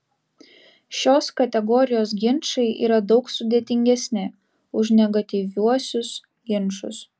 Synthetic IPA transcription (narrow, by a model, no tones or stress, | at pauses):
ʃʲoːskɐt̪ʲɛɡɔːɾʲɪjoːs̬ɡʲɪnˑʃɐɪʔḭːɾɐd̪ɒʊksʊd̪ʲeːt̪ʲɪŋʲɡʲɛsʲnʲɪ | ʊʒnʲɛɡɐt̪ʲiʋʲuɔsʲʊs | ɡʲɪnˑʃʊ̰s